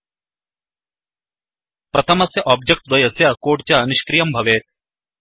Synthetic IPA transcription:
pɾʔɐt̪ʰɐmɐsjɐʔaːb̚d͡ʒek̚ʈd̪ɐjɐsjɐkoːɖt͡ʃɐniʃkɾijɐmbʱɐʋeːt̪̚

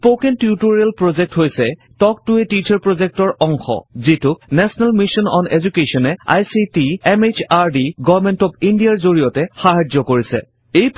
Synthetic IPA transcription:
pokentutuɹelpɹozɛk̚tɦojsɛ | tɔk̚tʊetit͡ʃʰaɹpɹozek̚tɔɹɔŋxɔ̰zitʊk̚nɛsɔnɛlmisɔnɔ̰nezukesɔnɛa̰jsitiɛmet͡ʃaɹdiɡɔmɛntɔbindijaɹzoɹijɔtɛxaɦazɔkoɹisɛ̰ | ejp

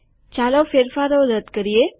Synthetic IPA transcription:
t͡ɕalawfeɾfaɾoɾət̪kəɾije

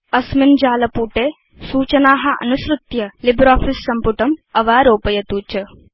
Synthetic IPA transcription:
ɐsmind͡ʒaːlɐpuːʈeː | suːt͡ʃɐnaːɦɐʔɐ̰nusɾut̪jɐlibɾaːfʰisːɐmpuʈɐmɐʋaːɾoːpɐjɐt̪uːt͡ʃɐ

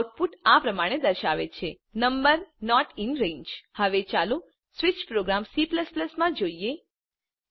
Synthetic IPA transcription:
wʈ̚puʈapɾəmaɽ̃ed̪əɾʃaʋet͡ʃʰe | nəmbəɾnɔʈɪnɾẽɲd͡ʒhəʋet͡ʃalu | sʋɪt͡ʃpɾoɡɾamsipləspləsmãd͡ʒoie

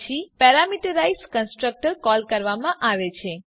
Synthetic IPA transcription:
ipɛɾamiʈəɾaiskənsʈɾək̚ʈəɾkɔlkəɾʋamãʔaʋet͡ʃʰe

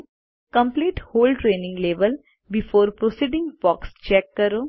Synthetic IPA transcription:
kə̃mpliːʈhoːlʈɾeːnɪ̃ŋɡleːʋəl | bɪfoːɾpɾosiːɖɪ̃ŋɡbɔːkst͡ʃɛkːəɾoː

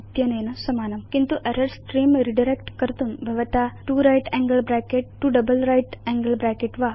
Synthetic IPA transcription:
ɐt̪jɐneːnɐsɐmaːnɐmkint̪uʔɐɾɐɾsʈɾiːmɾiɖɐɾekʈkɐɾt̪umbʱɐʋɐt̪aʈuɾajʈɛŋɡəlbɾaːkeʈːuɖɐbɐlɾajʈɛŋɡəlbɾaːkeʈʋaː

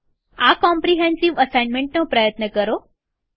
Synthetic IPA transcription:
akɔ̃mpɾiɦɛ̃nsiʋəsainmẽɳʈnopɾəjət̪nəkəɾo

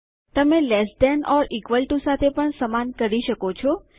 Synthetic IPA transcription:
t̪əmelɛsd̪ɛnɔɾikʋəlʈusat̪ʰepəɳsəmankəɾiʃəkot͡ʃʰɔ

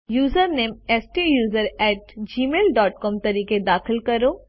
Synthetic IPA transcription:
juːzəɾneːmɛːsʈijuːzəɾɛːʈd͡ʒiːmeːlɖɔːʈkɔːmt̪ɐɾiːked̪aːxɪlkɐɾoː

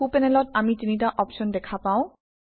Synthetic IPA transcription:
upɛnɛlɔt̚amitinit̬aʔɔpʃɔndɛkʰapãʊ̃

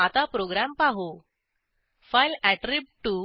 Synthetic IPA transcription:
at̪apɾoɡɾampaɦo | fajlæʈɾib̚ʈːu

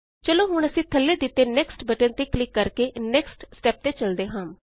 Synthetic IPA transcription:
t͡ʃəloːɦʊɳ̃əsĩːt̪ʰəlːeːd̪ɪt̪ːeːnɛːksʈbəʈənt̪eːklɪkːəɾkeːnɛːksʈsʈɛːp̚t̪eːt͡ʃəld̪eːɦãːm

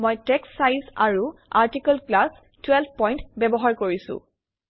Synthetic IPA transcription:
mojtɛksːajza̰ɹuaɹtikɔlklas | twɛlb̚ʱpɔjntbɛbɔɦaɹkoɹisʊ̰̃

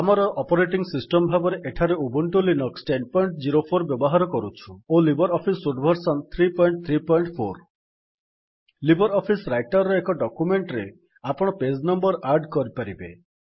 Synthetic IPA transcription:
amɔɾɔʔɔpɔɾeʈiŋsisʈɔmbʱabɔɾeʔeʈʰaɾeubuɳʈulinɔksʈenpɔjɳʈd͡ʒiɾopʰoɾbjɔbɔɦaɾɔkɔɾut͡ʃʰuolibɔɾɔpʰisuɖbʱɔɾsɔnt̪ʰɾipɔjɳʈ̚t̪ʰɾipɔjɳʈpʰoɾ | libɔɾɔpʰisɾajʈɔɾɔekɔɖɔkumeɳʈɾe | apɔɽ̃ɔped͡ʒnɔmbɔɾʔaɾɖkɔɾipaɾibe

